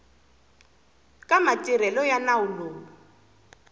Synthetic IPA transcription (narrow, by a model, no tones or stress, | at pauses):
kʼamatʼiɾɛlɔjanauloː